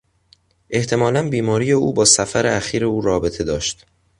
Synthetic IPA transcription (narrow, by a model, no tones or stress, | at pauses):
ʔe̞ht̪ʰe̞mɒːlænbiːmɒːɾije̞uːbɒːsæfæɾeæxiːɾe̞uːɾɒːbe̞t̪ʰe̞d̪ɒːʃt̪